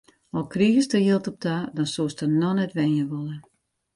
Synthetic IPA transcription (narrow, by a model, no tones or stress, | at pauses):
ɔlˠkriɣəstəjɪlˠtɔp̚tadɔnsoəstənɔnɛtʋɛnjəʋɔlˠə